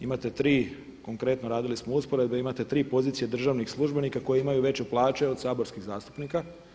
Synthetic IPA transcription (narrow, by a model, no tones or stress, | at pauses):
imat̪e̞t̪ɾiː | ko̞ŋkɾe̞t̪noɾaːd̪ilismouspo̞ɾe̞d̪̚beimat̪e̞t̪ɾiːpo̞ziːt̪sijed̪r̩ʒaʋnixslˠuʒbe̞nikako̞jeimajuʋe̞t͡ɕeplˠaːt͡ʃe̞o̞d̪saːboɾskiɣzaːst̪u̥pnika